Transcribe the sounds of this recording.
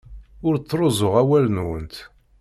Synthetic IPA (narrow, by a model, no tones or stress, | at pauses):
ʊɾt͡sːɾˤozˤʊʁæwælnwənt̪